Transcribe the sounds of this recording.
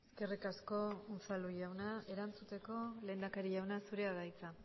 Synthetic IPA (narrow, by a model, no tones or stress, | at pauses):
eske̞rikasko̞unsaluʎawnae̞ɾant͡sut̪e̞ko̞le̞ːnd̪akaɾiʝawnasuɾe̞aɣajt͡sa